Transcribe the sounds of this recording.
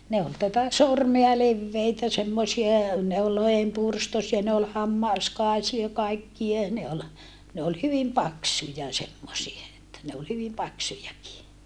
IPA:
ne ol tætæ sormeɑ leʋːeitæ semːosie ne ol lohempurstosiɑ ne ol hɑmːɑˑskɑisiɑ kɑikːie ne ol ne ol hyʋim pɑksujɑ semːosie etːæ ne ol hyʋim pɑksujɑki

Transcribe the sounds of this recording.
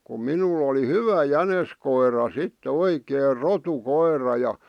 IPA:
kum minulˑ oli hyʋæ jæneskoirɑ sitːĕ oikeːr rotukoirˑɑ jɑ

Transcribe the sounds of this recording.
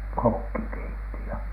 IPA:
kokːi keitːi jɑ

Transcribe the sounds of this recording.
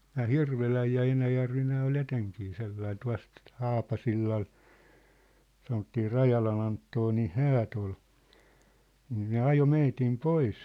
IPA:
næː hirʋelæj jɑ enæjærʋi næː ol eteŋkiː selːɑi tuɑ̝st hɑːpɑsilːɑl sɑnotːiː rɑjɑlɑn ɑntːonin̞ hæːt ol niːn ne ɑjo meitim pois

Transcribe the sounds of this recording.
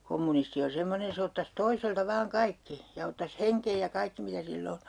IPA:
komːunisti on̞ semːonen̞ se otːɑs toiseltɑ ʋɑːŋ kɑikːi jɑ otːɑs heŋkej jɑ kɑikːi mitæ silː o

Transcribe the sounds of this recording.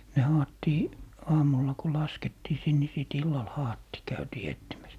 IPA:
ne hɑːtːiː ɑːmulːɑ ko lɑsketːiː sin ni siˑt ilːɑl hɑːtːiː kæytiː etːimæs

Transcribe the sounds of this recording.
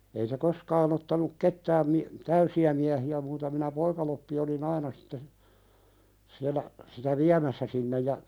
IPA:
ei se koskɑːn otːɑnuk ketːæːm mi tæysiæ miæhiæ muːtɑ minæ poikɑlopːi olin ɑinɑ si̥tːe siælːæ sitæ ʋiæmæsːæ sinːej jɑ

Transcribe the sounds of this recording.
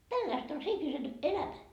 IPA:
tælːæist on se ihmisen elæmæ

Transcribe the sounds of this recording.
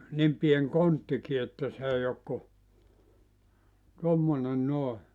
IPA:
nim pien kontːiki etːæ s ei ok ku tomːone noˑe

